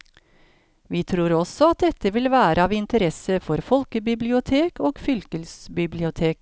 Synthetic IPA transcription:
ʋiːt̪ʰɾuːɾɔsɔɑt̪̚d̪ɛt̪ːəʋɪlʋæːɾʔəɑːʋɪnt̪əɾɛsəfɔɾfɔlkəbɪblɪʊt̪ʰeːkoːɡfʏlkəlsbɪblɪʊt̪ʰeːk

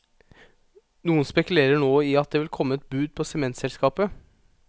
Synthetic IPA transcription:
nuːənspɛkʉleːɾəɳoːɪɑt̪̚d̪eːʋɪlkʰɔmːəɛt̪̚bʉːd̪̚pʰɔsɛmɛnt̪sɛlskɑːpə

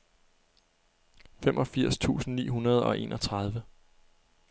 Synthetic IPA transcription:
femʔɒ̽fiɐ̰st͡sʰṵːsn̩nḭːɦunɐð̞ˠɒ̽ʔe̝̰ːnʔɒ̽t͡sʰʁað̞ˠʋə

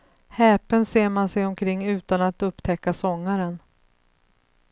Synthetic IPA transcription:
hɛːpənseːɾmansɛjɔmkʰɾɪŋːʉ̟ːt̪anat̪ɵpːt̪ʰɛkːasɔŋːaɾən

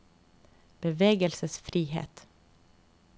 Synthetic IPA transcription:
b̥əʋeːɡəlsəsfɾiːhḛːt̪

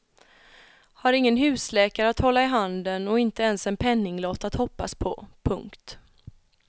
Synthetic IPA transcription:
haɾɪŋːənɦʉ̟ːslɛːkaɾəat̪hɔlːaɪɦand̪ənɔɪnt̪əɛnsɛnpʰɛnːɪŋlɔt̪at̪hɔpːa̰spʰɔ̰pʰɵŋkt̪

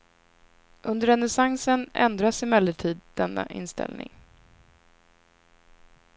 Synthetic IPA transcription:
ʔɵnd̪əɾɛnɛsaŋsənɛ̰nd̪ɾasɪmɛlːəʈʰiːd̪d̪ɛnːa̰ʔɪ̰nst̪ɛ̰lnɪ̰ŋ

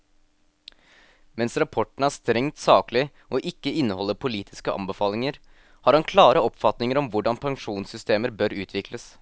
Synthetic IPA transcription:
mɛnsɾɑpʰɔʈɳ̩æːʂt̪ɾɛŋt̪sɑːklɪ | ʔɔʔɪkːəɪnːəhɔlːəpʰʊliːt̪ʰɪskəʔɑ̰mbəfɑːlɪŋəɾ | hɑːɾhɑnkʰlɑːɾəɔpfɑt̪nɪŋəɾɔmʋʊɖɑnpʰɑŋʂuːnsʏst̪eːməɾbøɾʉːt̪ʰʋɪkləs

